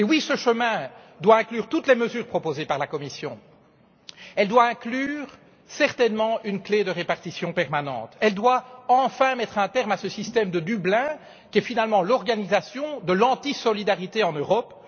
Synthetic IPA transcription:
ewisəʃəmɛ̃ | d̪waɛ̃klyːʁt̪ut̪lɛməzyːʁpχɔpozepaʁlakɔmisjɔ̰̃ | ɛld̪waɛ̃klyːʁ | sɛʁt̪ɛnmɑ̃ynkled̪əʁepaʁt̪isjɔ̃pɛʁmanɑ̰̃t̪ɛld̪waɑ̃fɛ̃mɛt̪χɛ̃t̪ɛʁmasəsist̪ɛmd̪əd̪yblɛ̃ | kʲiɛfinalmɑ̃lɔʁɡanizasjɔ̃d̪əlɑ̃t̪isɔlid̪aʁit̪eɑ̃nøʁɔp

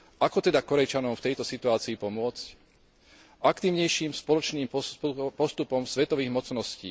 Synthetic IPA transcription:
ʔakɔt̪ɛd̪akɔɾɛt͡ʃanɔmft̪ɛjt̪ɔsit̪uaːt͡siːpɔmʊɔt͡sc | ʔakt̪iːʊɲɛjʃiːmspɔlɔt͡ʃniːmppɔst̪upɔmsʋɛt̪ɔʋiːɣmɔt͡snɔscḭː

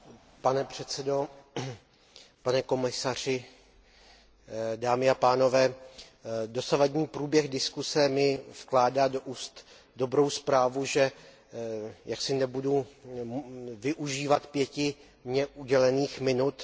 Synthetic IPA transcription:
panɛpr̝̥ɛt̪t͡sɛdo̞ | panɛko̞mɪsar̝̥ɪ | daːmɪapaːno̞vɛː | do̞savadɲiːpɾuːbjɛxdɪskusɛmɪfklaːdaːdoʔuːst̪ | do̞bɾo̞wspɾaːvuʒɛ | jaksɪnɛbudu | vɪʔuʒiːvat̪pjɛcɪ | mɲɛʔuɟɛlɛniːxmɪnut̪

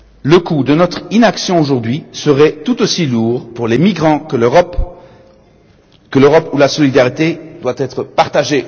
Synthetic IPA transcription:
ləkud̪ənɔt̪χinaksjɔ̃oʒuʁd̪ɥisəʁɛt̪ut̪osiluːʁpuʁlemiɡʁɑ̃kəp | kəløʁɔpulasɔlid̪aʁit̪ed̪wat̪ɛt̪χəpaʁt̪aʒe

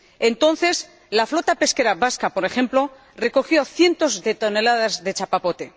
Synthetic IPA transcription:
ent̪o̞nθe̞s | laflo̞t̪ape̞ske̞ɾaβaskapo̞ɾe̞xẽ̞mplo̞ | re̞ko̞xjo̞θje̞nt̪o̞zðe̞t̪o̞ne̞laðazðe̞t͡ʃapapo̞t̪e̞

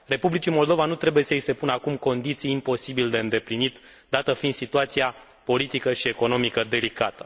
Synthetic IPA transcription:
re̞publit͡ʃimo̞ld̪o̞vanut̪ɾe̞buje̞səise̞punəakumko̞nd̪it̪sijːmpo̞sibild̪e̞ɨnd̪e̞plinit̪ | d̪at̪əfind̪sit̪uat̪sia | po̞lit̪ikəʃie̞ko̞no̞mikəd̪e̞likat̪ə̥

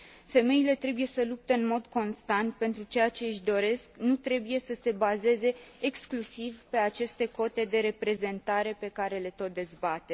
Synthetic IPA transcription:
fe̞me̞ile̞t̪ɾe̞buje̞səlup̚t̪eɨnmo̞d̪ko̞nst̪ant̪̚pe̞nt̪ɾut͡ʃe̞jat͡ʃe̞ɨʃd̪o̞ɾe̞sknut̪ɾe̞buje̞səse̞baze̞ze̞ːksklusivpe̞at͡ʃe̞st̪e̞ko̞t̪e̞d̪e̞ɾe̞pɾe̞ze̞nt̪aɾe̞pe̞kaɾe̞le̞t̪o̞t̪̚d̪e̞zbat̪e

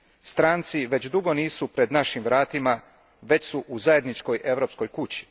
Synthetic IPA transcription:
st̪ɾaːnt̪siʋe̞t͡ɕd̪uɡo̞niːsupɾe̞d̪naʃimʋɾaːt̪ima | ʋe̞t͡ɕsuʔuzaje̞d̪nit͡ʃko̞jʔe̞ʋɾo̞ːpsko̞jkut͡ɕi̥

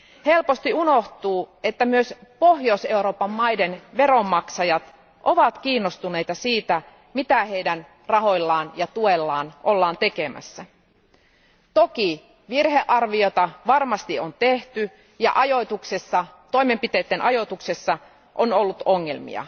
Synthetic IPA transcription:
he̞lpo̞st̪iuno̞ht̪uːe̞t̪ːæmyøspoɦjose̞uɾo̞ːpɑmːɑjde̞nʋe̞ɾo̞mːɑksɑjɑt̪ | ʔo̞ʋɑt̪k̟iːnːost̪une̞jt̪ɑsiːt̪æ | mit̪æhejdæn | rɑɦo̞jlːɑːnjɑt̪ue̞lːɑːnʔo̞lːɑːnt̪e̞ke̞mæ̰sːæ | t̪o̞k̟i | ʋirɦe̞ʔɑrʋio̞t̪ɑʋɑrmɑst̪iont̪e̞ht̪y | jɑ̰ʔɑjo̞t̪uksesːɑt̪o̞jme̞mpit̪eːt̪ːenʔɑjo̞t̪ukse̞sːɑ | ʔono̞lːut̪oŋːe̞lmḭɑ̰

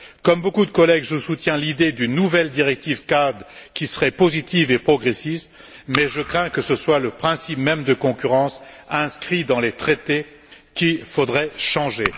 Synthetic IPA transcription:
kɔmbokud̪əkɔlɛɡʒusut̪jɛ̃lid̪ed̪ynːuvɛld̪iʁɛk̚t̪ivkad̪ʁkʲisəʁɛpozit̪ivepχɔɡʁesist̪ | mɛʒəkχɛ̃kəsəswaləpχɛ̃sipmɛmd̪əkɔ̃kʲyʁɑ̃sɛ̃skχid̪ɑ̃let̪χet̪e | kʲifod̪ʁɛʃɑ̃ʒe

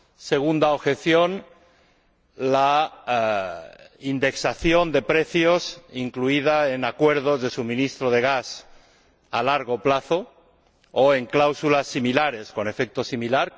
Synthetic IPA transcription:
seɣ̞und̪aoβxeθjon | la | ind̪e̞ksaθjond̪e̞pɾeθjosiŋkluið̞aenakwe̞ɾð̞ozðe̞suβmĩnist̪ɾoðe̞ɣ̞as | alaɾɣoplaθo | oeŋklawsulasːimilaɾe̞sko̞ne̞fek̚t̪osimilaɾ

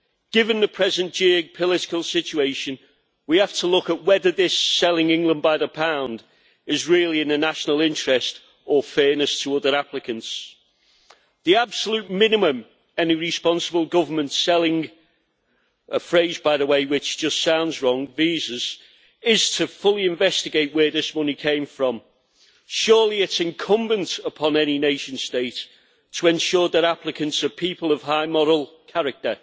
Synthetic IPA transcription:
ɡ̥ɪvə̃nðəpʰɹ̥ɛzə̃nd͡ʒ̥ɪ̃pʰəlɪtɪ̥kəlˠsɪt͡ʃueɪʃə̃n | wihaftʰəlʊkəʔwɛðəðɪsɛlɪ̃ŋɪ̃ŋɡlə̃nbaɪðəpʰãʊ̃nd | ɪzɹɪəlˠiɪ̃nənaʃənəlˠɪ̃nt͡ʃɹ̥ɛst | ʔəfɛːnəstʰəʊðə˞aplɪkə̃nts | ðiab̥səlʉˑt̚mɪ̃nɨmə̃m | ɛniɹɪspɑ̃nsəbəl̩ˠɡʊvə˞mə̃ntsɛlɪ̃ŋ | əfɹeɪzbaɪðəweɪwɪt͡ʃd̥ʒ̥ʌstsãʊ̃ndzɹɒ̃ŋviːzəz̥ | ɪz̥tʰəfʊlˠiɪ̃ɱvɛstɪɡeɪʔwəðɪsmʊnikʰẽɪ̃ɱfɹə̃m | ʃɔːliɪtsɪ̃nkʰʊ̃mbə̃ntəpʰɒ̃nɛnineɪʃə̃nsteɪt | tʰəɛ̃nʃɔːðəɾaplɪkə̃ntsəpʰiˑpəlˠəv̥ɦaɪmɔɹəl̩ˠkʰaɹək̚tə

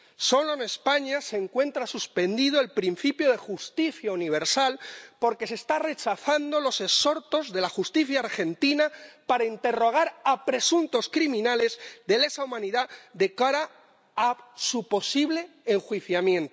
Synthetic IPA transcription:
so̞loene̞spaɲase̞ːŋkwe̞nt̪ɾasuspe̞nd̪ið̞oe̞lpɾin̟θipjo̞ð̞e̞xust̪iθjauniβ̞e̞ɾsalpo̞ɾke̞se̞ːst̪are̞t͡ʃaθand̪o̞lo̞se̞so̞ɾt̪o̞zðe̞laxust̪iθjaːɾxe̞nt̪inapaɾaint̪e̞ro̞ɣ̞aɾapɾe̞sunt̪o̞skɾimĩnale̞zðe̞le̞saumãniðaðe̞kaɾa | asupo̞siβle̞ːŋxwiθjamjẽ̞nt̪o

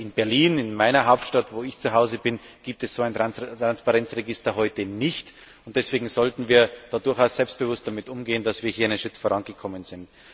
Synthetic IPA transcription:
ʔɪnbɛɐliːnɪnmaɪnɐɦaʊp̚tʃtatv̥oːɪçt͡suɦaʊzəbɪnɡ̥iːp̚tɛsz̥oːaɪntʁantʁanspaʁɛnt͡sʁeɡɪstɐɦɔʏtənɪçt | ʊnt̚d̥ɛsv̥eːɡŋ̩zɔltn̩viːɐd̥aːdʊɐçaʊsz̥ɛlpst̚b̥əvʊst̚d̥amɪtʔʊmɡeːənd̥asv̥iːɐhiːɐɪnənʃʁ̥ɪtfoːʁanɡəkʰɔmənz̥ɪnt

